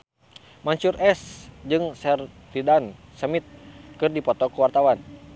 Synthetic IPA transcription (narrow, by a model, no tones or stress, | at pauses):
maɲt͡ʃurʔɛsd͡ʒɨŋsɛr | lidansəmit̪̚kɨrdipɔt̪ɔkuwart̪awan